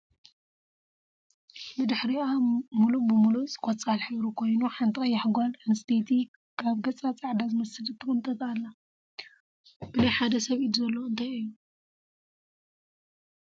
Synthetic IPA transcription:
bɨd̪ɨħɾiamulubɨmulusʼɨ̥kʼɔt͡sʼalħɨβɾukʰo̞jnuħant̪ʰʼikʼɐjːaħɡalɐnɨst̪ʰet̪ʰi | kʰaβɡɐt͡sʼat͡sʼaʕd̪azɨmɐsɨlɨt̪ʰːɨxɨmt̪ʼɐt̪ʼalːa | b̥ɨlɐjħad̪ɐsɐβid̪uzɐlːoɨnt̪ʰajɨjːu

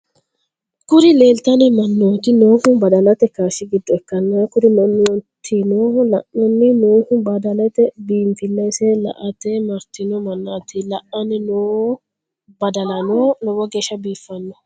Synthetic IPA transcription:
kʊɾɪle̞ːlt̪ɐnɪmɐnːoːt̪ɪnoːhʊbɐd̪ɐlɐt̪ɛkaːʃɪɡɪd̪ːɔɛkːɐnːɐkʊɾɪnɐnːɔt̪ʰinoːlɐʔɔnːɪnoːhʊbɐd̪ɐlɛt̪ɛbiːmfɪnːɐjsɛlɐ̰ʔɐt̪ːɛmɐɾt̪ːɪnɔmɐnːaːt̪ɪlɐʔɐnɪnoː | bɐd̪ɐlɐnonɔwɔɡeːʃɐbiːfːɐnːɔ

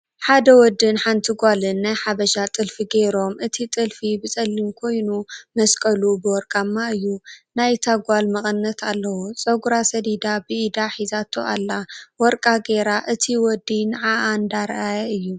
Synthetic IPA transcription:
ħad̪ɐwɔd̪ːɨnħant̪ʰiɡʷalɨnːajħaβɐʃat̪ʼɨlfiɡeɾo̞mʔɨt̪ʰit̪ʼɨlfibɨt͡sʼɐlːimkʰo̞jnumɐskʼɐlubɨwɔɾkʼamːaɨjːunajt̪ʰaɡʷalmɐχʼɨnɨnːɐt̪ʰalːɐwut͡sʼɐɡuɾasɐd̪id̪abɨid̪aħizat̪ʰoʔalːawɔɾkʼaɡeɾaʔɨt̪ʰiwɔd̪inʕaʔand̪aɾʔajɐɨjːu

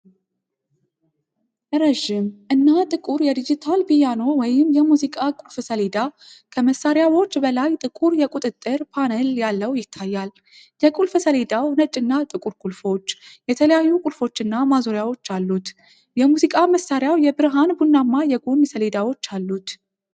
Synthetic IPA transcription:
ʔɨɾəʒɪmʔɨnːat̪ʼɨkʼuɾjɛd̪id͡ʒit̪ʰalbijano̞wɔjɪmjɛmuzikʼakʼulfsəled̪a | kʰəməsːaɾjawo̞t͡ʃːbəlajt̪ʼɨkʼuɾjɛkʼut̪ʼɨt̪ʼːɨɾpʰanəljalːəwjɪt̪ʰːajːal | jɛkʼulfsəle̞d̪awnət͡ʃʼːɨnːat̪ʼɨkʼuɾkʼulfo̞t͡ʃːjɛt̪ʰələjajːukʼulfo̞t͡ʃːɨnːamazoɾjawo̞t͡ʃːalːut̪ | jɛmuzikʼaməsːaɾjawjɛbɨɾɦanbunːamːajɛɡunsəle̞d̪awo̞t͡ʃːalːut̪

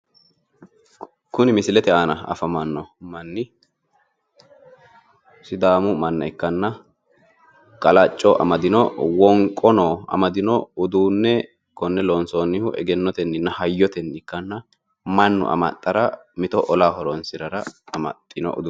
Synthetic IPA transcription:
kʊnɪmɪsɪlɛt̪ɛaːnɐɐ̰fɐmɐnːɔmɐnːɪ | sɪd̪aːmʊmɐnːɐ̰ɪkːɐnːɐ | kʼɐlɐt͡ʃʼːɔʔɐ̰mɐd̪ɪnɔwɔŋkʼːɔnoːɐ̰mɐd̪ɪnɔʊd̪uːnːɛ | kɔnːɛlonsoːnːɪhʊʔɛ̰ɡɛnːɔt̪ɛnːɪnːɐhɐjːɔt̪ɛnːɪkːɐnːɐ | mɐnːʊ̰ʔɐ̰mɐ̰t̪ʼːɐɾɐmɪt̪ɔʔɔlaːhɔɾɔnsɪɾɐɾɐɐmɐ̰t̪ʼːɪnɔ̰ʔʊ̰d̪u

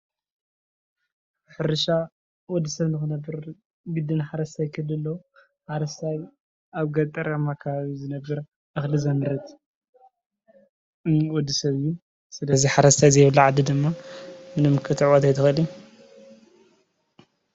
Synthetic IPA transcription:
ħɨɾʃa | wɔd̪ːisɐβnɨxɨnɐbɨɾ | ɡɨd̪ɨnħaɾɐst̪ʰajkʰɨlɨlːɐw | ħaɾɐst̪ʰaj | ʔaβɡɐt̪ʼɐɾamakʰaβaβizɨnɐbːɨɾ | ʔaxlizɐnɨɾɐt̪ | wɔd̪ːisɐβjːu | sɨlɐziħaɾɐst̪ʰajzɐjβlːaʕad̪id̪ɨmːamɨnɨmɨkʰɨt̪ʰʕwot̪ajt̪ʰɨxɨliu

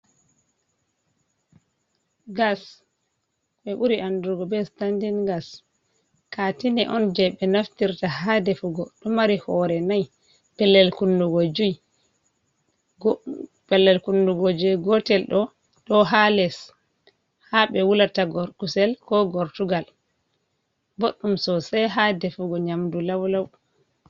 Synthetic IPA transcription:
ɡas | ɓɛɓuɾiʔanduɡɔbɛstandinɡas | katinɛʔɔnd͡ʒɛɓɛnaftiɾtahadɛfuɡɔɗɔmaɾihɔɾɛnaj | pɛlːɛlkunduɡod͡ʒuj | pɛlːɛlkunduɡod͡ʒujɡɔtɛlɗɔ | ɗɔɦalɛs | haɓɛwulataɡɔɾkusɛlkɔɡɔɾtuɡal | boɗːumsɔsɛjɦadɛfuɡɔɲamdulawlaw

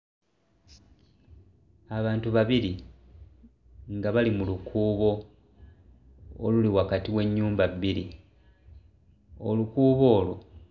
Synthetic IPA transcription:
aβaːntuβaβiɾi | ŋɡaβalimulukʰuːβo̞ | o̰luliwakatiwe̞ɲːuːmbabːiɾi | o̰lukuːβo̞ːlo̞̰

